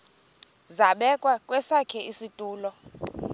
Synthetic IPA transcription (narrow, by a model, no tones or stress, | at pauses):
zaɓɛkʼwakʼwɛsakʰɛisitʼuːlɔ